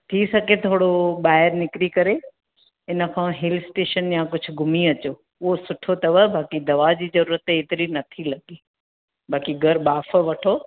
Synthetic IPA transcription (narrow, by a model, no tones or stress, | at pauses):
t̪ʰisɐɡʱet̪ʰoːɽoɓaːɪəɾnɪkɾikɐɾe | ɪnə̆kʰãːɦɪlsʈeːʃənjãkʊd͡ʑʱʊ̆ɡʱʊmiɐt͡ɕoː | ʊɦosʊʈʰot̪ɐʋəɦbʱaːkid̪ɐʋad͡ʑiːzɐɾuːɾət̪eːt̪ɪɾinɐt̪ʰilɐɡi | baːkiɡʱɐɾɓaːf̆ʋɐʈʰoː